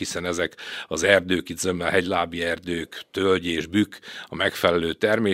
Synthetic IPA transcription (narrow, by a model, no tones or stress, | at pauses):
hisɛnɛzɛkɒzɛrd̪øːkid̪zømːɛlɦɛɟlaːbiɛrd̪øːkt̪ølɟeːʒbykɒmɛkfɛlɛløːt̪ɛrmeː